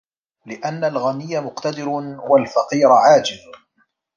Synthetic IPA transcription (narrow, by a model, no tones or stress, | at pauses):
lɪʔanːalɣamɪjːamʊqt̪ad̪ɪɾwalfɑqiːɾaʕaːd͡ʒɪl